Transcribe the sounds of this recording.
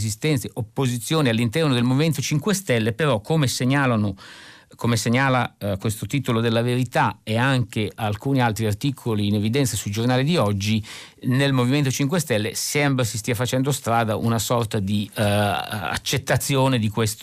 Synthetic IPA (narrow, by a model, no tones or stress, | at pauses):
zist̪ɛnt̪seʔopːozit̪sːjoːnialːint̪ɛrnod̪elmoviment̪ot͡ʃiŋkwest̪ɛlːepeɾɔkʰːomeseɲaːlano | kʰomeseɲːaːlakwest̪ot̪iːt̪olod̪elːaveɾit̪aeaŋkeʔalkuːnialt̪ɾiart̪iːkʰoliːnevid̪ɛnt̪sasuid͡ʒornaːlid̪iɔd͡ʒːi | nelmoviment̪ot͡ʃiŋk̬west̪ɛlːesɛmbɾasist̪iːafat͡ʃɛnd̪ost̪ɾaːd̪aʔṵnasɔrt̪ad̪i | a̰t͡ʃːet̪ːat̪sːjoːned̪ikwest̪